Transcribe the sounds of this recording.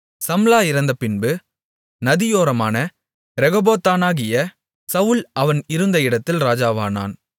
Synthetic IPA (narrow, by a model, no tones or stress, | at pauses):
sɐmlaːɪɾɐnd̪ɐpɪnbɯ | nɐðɪjoːɾɐmaːnɐ | ɾɛɣɔboːt̪ːaːnaːɣɪjɐ | sɐʋʊlɐʋɐnɪɾɯnd̪ɐɪɽɐt̪ːɪlɾaːd͡ʒaːʋaːna̰ːn